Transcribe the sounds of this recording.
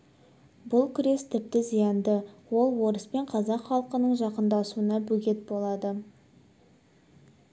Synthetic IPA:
bʊlˠkʲʰʏɾe̞st̪ʰɪp̚t̪ɪzijɑnd̪əwo̞lˠwo̞ɾəspe̞ɴqʰɑzɑqχɑlˠəqənəɴʒɑqənd̪ɑsuənɑbɵɡʲe̞t̪̚bo̞lˠɑd̪ə

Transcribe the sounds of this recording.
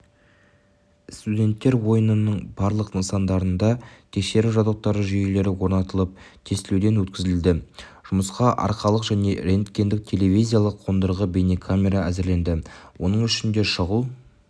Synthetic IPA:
st̪udʲe̞nt̪ːe̞ɾwo̞jənənəɴbɑɾlˠəqnəsɑnd̪ɑɾənd̪ɑt̪ʲʰe̞kʃe̞ɾɪʒɑd̪oq̚t̪ɑɾəʒʏjele̞ɾɪwo̞ɾnɑt̪əlˠəp̚t̪ʲʰe̞st̪ɪled̪e̞nwɵt̪̚kʲɪzɪld̪ɪʒ̥ʊməsqɑʔɑ̰ɾqɑlˠəqʒæne̞ɾe̞nt̪kʲːe̞nd̪ɪk̚t̪ʲʰe̞le̞vijzʲijalˠəqʰːo̞nd̪əɾʁəbejnekʰamʲe̞ɾaæzɪɾle̞nd̪ɪwʔo̞nəɴʏʃɪnd̪e̞ʃəʁulˠ

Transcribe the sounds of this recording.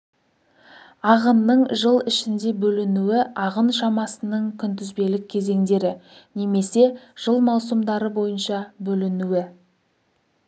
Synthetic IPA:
ɑʁənːəɴʒəlˠɪʃɪnd̪e̞bɵlɪnuɪɑʁənʃɑmɑsənəɴkʲʰʏnt̪ʏzbe̞lɪk̚ʲʰːe̞ze̞ŋd̪e̞ɾɪ | ne̞me̞se̞ʒ̥əlˠmɑwsəmd̪ɑɾəbo̞jənʃɑbɵlɪnuɪ

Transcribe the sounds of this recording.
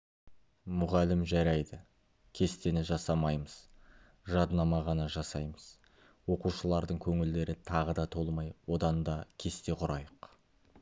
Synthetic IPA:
mʊʁɑlɪmʒæɾɑjd̪ɪ | kʲʰe̞st̪e̞nɪʒɑsɑmɑjməz̥ | ʒɑd̪nɑmɑʁɑnɑʒɑsɑjməz̥ | wo̞quʃəlˠɑɾd̪əɴkʲʰɵŋɪld̪e̞ɾɪt̪ʰɑʁəd̪ɑt̪ʰo̞lˠmɑjwo̞d̪ɑnd̪ɑkʲʰe̞st̪e̞qʰʊɾɑjəq

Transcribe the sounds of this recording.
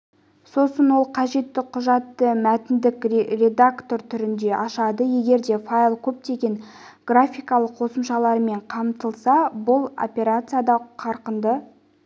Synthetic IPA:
so̞sənwo̞lˠqʰɑʒe̞t̪ːɪqʰʊʒɑt̪ːəmæt̪ɪnd̪ɪkrrʲe̞d̪akt̪o̞ɾt̪ʰʏɾɪnd̪e̞ʔɑʃɑd̪əje̞ɡʲe̞ɾd̪e̞fajlˠkʲʰɵp̚t̪e̞ɡʲe̞ŋ | ɡ̥rafʲijkɑlˠəqʰo̞səmʃɑlˠɑɾme̞ɴqʰɑmt̪əlˠsɑbʊlˠo̰pʲe̞ɾat̪sɨjad̪ɑqʰɑɾqənd̪ə

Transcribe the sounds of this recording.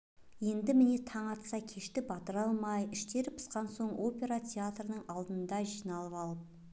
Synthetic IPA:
je̞nd̪ɪmɪne̞t̪ʰɑɴɑt̪sɑkʲʰe̞ʃt̪ɪbɑt̪əɾɑlˠmɑjɪʃt̪e̞ɾɪpʰə̥sqɑnso̞ɴo̞pʲe̞ɾat̪ʲʰe̞at̪rənəɴɑlˠd̪ənd̪ɑʒijnɑlˠəpɑlˠəp̚

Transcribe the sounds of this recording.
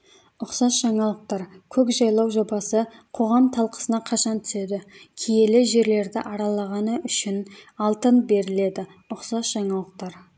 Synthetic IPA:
ʊqsɑsʒ̥ɑɴɑlˠəq̚t̪ɑɾkʲʰɵkʒɑjlˠɑwʒo̞bɑsəqʰo̞ʁɑmt̪ʰɑlˠqə̥sənɑqʰɑʃɑnt̪ʰʏ̥se̞d̪ɪkʲʰeje̞lɪʒe̞ɾle̞ɾd̪ɪ̰ʔɑɾɑlˠɑʁɑnəʔʏʃɪnɑlˠt̪ənbe̞ɾɪle̞d̪ɪ | ʊqsɑsʒ̥ɑɴɑlˠəq̚t̪ɑɾ

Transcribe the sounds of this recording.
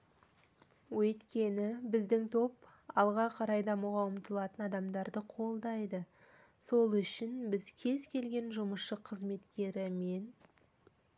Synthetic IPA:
wɵt̪kʲe̞nɪbɪzd̪ɪŋt̪ʰo̞p | ɑlˠʁɑqʰɑɾɑjd̪ɑmuʁɑʊmt̪əlˠɑt̪ənɑd̪ɑmd̪ɑɾd̪əqʰo̞lˠd̪ɑjd̪ə | so̞lˠʏʃɪnbɪzkʲʰe̞zkʲʰe̞lɡʲe̞nʒʊməsʃəqʰəzme̞t̪kʲe̞ɾɪme̞n

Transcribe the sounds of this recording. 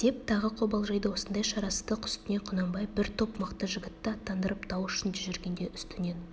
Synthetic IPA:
d̪̥e̞p̚t̪ʰɑʁəqʰo̞bɑlˠʒɑjd̪əwosənd̪ɑjʃɑɾɑsət̪əqʰʏ̥st̪ɪne̞qʰʊnɑmbɑjbɪɾt̪ʰo̞pməqt̪əʒɪɡʲɪt̪ːɪɑt̪ːɑnd̪əɾʔəpt̪ʰɑwʏʃɪnd͡ʒ̪ʏʒeɾɡʲe̞nd̪e̞ʏst̪ɪne̞n

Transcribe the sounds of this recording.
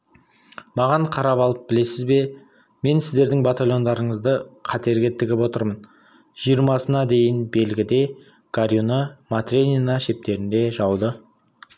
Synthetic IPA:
mɑʁɑɴqʰɑɾɑpɑlˠəp̚bɪle̞sɪzbe̞ | me̞nsɪzd̪e̞ɾd̪ɪŋbat̪alʲjo̞nd̪ɑɾəɴəzd̪əqʰɑt̪e̞ɾɡʲɪt̪ʰɪɡʲɪpo̞t̪əɾmən | ʒ̥ijəɾmɑsənɑd̪e̞jɪnbe̞lɡʲɪd̪e̞ | ɡ̥aɾjunəmat̪rʲenʲinɑʃe̞p̚t̪e̞ɾɪnd̪e̞ʒɑwd̪ə

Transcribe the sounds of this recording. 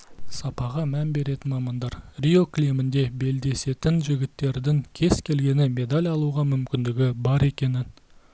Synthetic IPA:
sɑpɑʁɑmænbe̞ɾe̞t̪ɪnmɑmɑnd̪ɑɾrʲio̞klʲimɪnd̪e̞be̞ld̪e̞se̞t̪ɪnʒɪɡʲɪt̪ːe̞ɾd̪ɪŋkʲʰe̞z̥kʲʰe̞lɡʲe̞nɪme̞d̪alʲjɑlˠuʁɑmʏmkʲɪnd̪ɪɡʲɪbɑɾe̞kʲe̞nɪn

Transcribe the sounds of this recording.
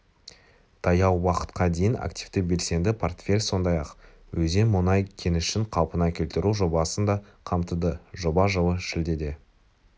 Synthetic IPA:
t̪ʰɑjɑwwɑqə̥t̪qʰɑd̪ejɪna̰kt̪ivt̪ɪbe̞lse̞nd̪ɪpʰo̞rt̪fʲe̞lʲso̞nd̪ɑjɑq | wɵze̞nmʊnɑjkʲʰe̞nɪʃɪɴqʰɑwˠpənɑkʲʰelt̪ɪɾuʒo̞bɑsənd̪ɑ | qʰɑmt̪əd̪əʒo̞bɑʒəwəʃɪld̪e̞d̪e̞

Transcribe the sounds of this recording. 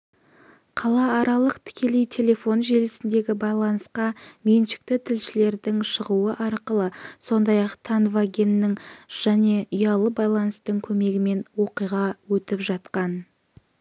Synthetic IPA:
qʰɑlˠɑːɾɑlˠəqt̪ʰɪ̥kʲe̞lijt̪ʰe̞lʲe̞fo̞nʒe̞lɪsɪnd̪e̞ɡʲɪbɑjlˠɑnəsqɑme̞nʃɪ̥k̚t̪ɪt̪ʰɪlʃɪle̞ɾd̪ɪŋʃəʁuəʔɑɾqəlˠəso̞nd̪ɑjɑqt̪ʰanvaɡʲe̞nːɪŋʒ̥æne̞ʊjɑlˠəbɑjlˠɑnəst̪əɴkʲʰɵme̞ɡʲɪme̞nwo̞qijʁɑwɵt̪ɪpʒɑt̪qɑn

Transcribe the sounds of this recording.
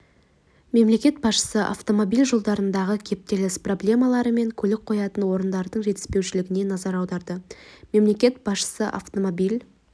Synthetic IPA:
me̞mle̞kʲe̞t̪̚bɑsʃə̥səʔa̰ft̪o̞mo̞bilʲʒo̞lˠd̪ɑɾənd̪ɑʁəkʲʰe̞p̚t̪e̞lɪspro̞blʲe̞mɑlˠɑɾəme̞ŋkʲʰɵlɪk̚qʰo̞jɑt̪ənwo̞ɾənd̪ɑɾd̪əɴʒe̞t̪ɪ̥spe̞wʃɪlɪɡʲɪne̞nɑzɑɾɑwd̪ɑɾd̪əme̞mle̞kʲe̞t̪̚bɑsʃə̥səʔa̰ft̪o̞mobilʲ

